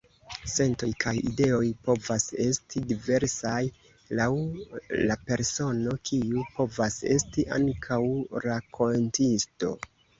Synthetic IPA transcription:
se̞nto̞jkʰajḭde̞o̞jpo̞vase̞stʰidive̞ɾsaj | lawlape̞ɾso̞no̞kʰiupo̞vase̞̰stiʔa̰ŋkʰawɾakʰo̞ntisto̞̰

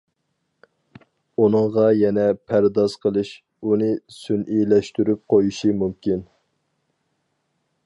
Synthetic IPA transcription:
unɨŋʁɑjɛnɛpʰæɾd̪ɑz̥qʰəlˠɨʃ | unɨsynʔilɛʃt̪yɾyp̚qʰojuʃimumkʲin

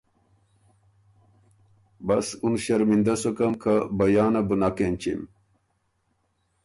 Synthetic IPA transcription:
bɐsunɕɐɾmind̪ɐsokɐmkʰɐbɐjaːnɐbunakent͡ɕḭm

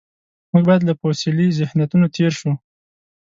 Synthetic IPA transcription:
muɡbɑjad̪laposilizɪhnat̪unot̪ʰeɾʃu

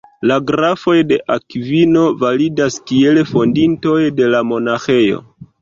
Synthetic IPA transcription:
laɡɾafo̞jde̞ʔakvino̞validaskie̞lfo̞ndinto̞jde̞lamo̞naxe̞jo̞̰

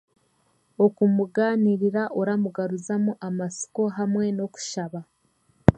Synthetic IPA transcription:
o̞kumuɡaːniɾiɾaʔoɾamuɡaɾuzamuʔamasi̥ko̞ɦamwe̞no̞ku̥ʃaβa

